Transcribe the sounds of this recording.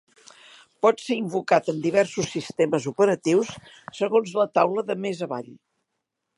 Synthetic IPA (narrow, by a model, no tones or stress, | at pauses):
pɔt̪seimbukat̪ənd̪iβɛɾsusːist̪eməzupəɾət̪iwsː | əɣonzlət̪awləðəmezəβa̰ʎ